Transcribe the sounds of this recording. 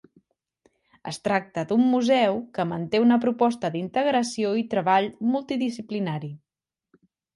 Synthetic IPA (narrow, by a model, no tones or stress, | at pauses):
ə̰st̪ɾak̚t̪əd̪umːuzɛwkəmənt̪eunəpɾupɔst̪əd̪int̪əɣɾəsioit̪ɾəβ̞aʎmulˠt̪iðisiplinaɾi